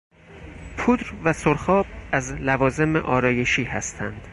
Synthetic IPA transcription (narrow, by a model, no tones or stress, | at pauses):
pʰuːd̪ɾvæsoɾxɒːb̚æzlævɒːze̞mḛʔɒːɾɒːje̞ʃiːhæ̰st̪ʰæ̰nd̪̥